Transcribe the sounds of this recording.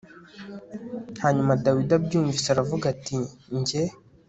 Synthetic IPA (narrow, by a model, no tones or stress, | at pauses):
haɲumadawidabɟuːɱviseaɾavuɡatiɲɟe̞